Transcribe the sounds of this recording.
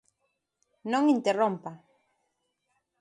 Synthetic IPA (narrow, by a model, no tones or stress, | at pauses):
nõŋint̪erõmpa